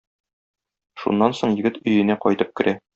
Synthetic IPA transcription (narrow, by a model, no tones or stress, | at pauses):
ʃṵnːɑnsoɴjɘ̆ɡɘt̪ɵ̆jɘ̆næqɒjt̪ɤp̚kɘ̆ɾæ